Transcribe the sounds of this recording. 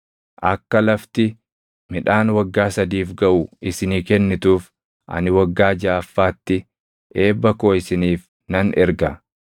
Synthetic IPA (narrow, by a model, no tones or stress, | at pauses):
ʔɐkːɐlɐft̪ɪ | mɪᶑaːnwɐɡːaːsɐd̪iːfɡɐʔʊɪsɪniːkɛnːɪt̪uːf | ʔɐ̰nɪwɐɡːaːd͡ʒaːɐfːaːt̪ːɪ | ʔe̞ːbːɐkoːɪsɪniːf | nɐnʔɛɾɡɐ